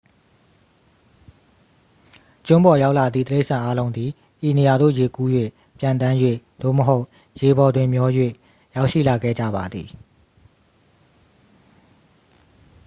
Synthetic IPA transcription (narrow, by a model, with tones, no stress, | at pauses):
t͡ɕʊ̃˦mbɔ˨ja˦ʊʔla˨d̪ðḭ˦˨t̪əle˦ɪʔsã˨ʔa˦lõ˦ʊ̃nd̪ði˨ | ʔi˨ne˨ja˨d̪o̰˦˨je˨ku˦jwḛ˦˨ | pjã˨nt̪ã˦jwḛ˦˨d̪̥o̰˦˨məɦo˦ʊʔ | je˨bɔ˨dwɪ̃˨mjɔ˦jwḛ˦˨ | ja˦ʊʔʃḭ˦˨la˨ɡɛ̰˦˨d͡ʑa̰˦˨ba̰˨d̪ði˨